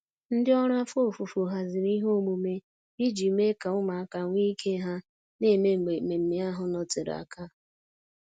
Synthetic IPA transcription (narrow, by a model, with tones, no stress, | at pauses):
n̩˦dɪ˦ɔ˦ɾa˦fo˦˨fu˨fu˨ɦa˦zɪ˨ɾi˦ɦo˦˨mu˨me˦ | i˦d͡ʒi˨˦me˦ka˨ʊ˦ma˨a˦ka˨ŋʷi˦kʰe˦ɦa˦ | ne˦˨me˦ŋ͡m̩˨ɡ͡be˨me˨m̩˨me˦a˦ɦʊ˨nɔ˨tɪ˨ɾa̰˨ka˦